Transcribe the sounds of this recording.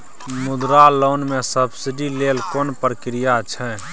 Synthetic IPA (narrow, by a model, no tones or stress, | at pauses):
mʊd̪ɾaloːnmẽsəbsɪɖileːlkoːnpɾəkɾijat͡ʃʰɛ